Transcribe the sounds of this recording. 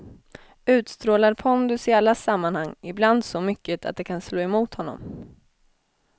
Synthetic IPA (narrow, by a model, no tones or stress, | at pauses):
ʉ̟ːt̪st̪ɾoːlaɾpʰɔnd̪ɵsɪalːasamːanhaŋːɪbland̪sɔmʏkːət̪ʰa̰t̪̚d̪ɛkʰansloːɛmuːt̪hɔnːɔ̰m